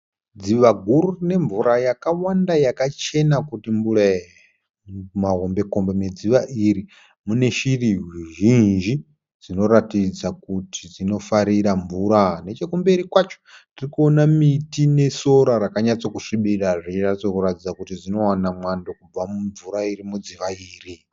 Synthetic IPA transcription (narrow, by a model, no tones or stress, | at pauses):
d͡ziʋaɡʱuɾurine̞ɱvuɾajakawandajakat͡ʃe̞nakutiɱbura | maɦombe̞ko̞mbeme̞d͡ziʋaʔiɾi | mune̞ʃiriɦuʒind͡ʒi | d͡zino̞ɾatid͡zakutʰid͡zino̞faɾiɾaɱvuɾane̞t͡ʃekumbeɾikwat͡ʃo̥tirikuonamitine̞so̞ɾaɾakaɲat͡sokuʂiɓiɗaʐit͡ʃirat͡sokuɾatid͡zakutid͡zino̞wanamwandokub͡vamuɱvuɾaiɾimud͡ziʋaiːri